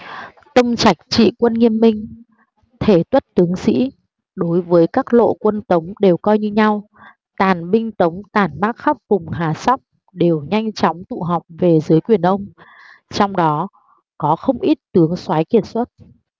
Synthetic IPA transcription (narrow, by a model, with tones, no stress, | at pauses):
t̪ə˧wŋ͡mt͡ɕa˨˩jk̟̚t͡ɕḭ˧˨kwə˧nŋi˧əmːï˧ŋ̟ | t̪ʰe˧˩t̪wə˦˥t̚t̪ɨ˨˦əŋsḭ˧˥ | ɗo˨˦jvəː˨˦jkaː˦˥k̚lo̰˧˨kwə˧nt̪ə˨˦wŋ͡mɗe˨˩wkɔ˧jɲɨ˧ɲa˧w | t̪aː˨˩nɓï˧ŋ̟t̪ə˨˦wŋ͡mt̪aː˨˩nmaː˦˥k̚xa˦˥p̚vʊ˨˩ŋ͡mɦaː˨˩sa˦˥wk͡p̚ | ɗe˨˩wɲa˧jŋ̟t͡ɕɔ˨˦wŋ͡mt̪ṵ˧˨ɦɔ˨˩wk͡p̚ve˨˩zɨ˨˦əjkwi˧˩ənʔə˧wŋ͡m | t͡ɕɔ˧wŋ͡mɗɔ˨˦ | kɔ˨˦xə˧wŋ͡mʔi˦˥t̚t̪ɨ˨˦əŋswaː˨˦jki˧˩ət̚swə˦˥t̚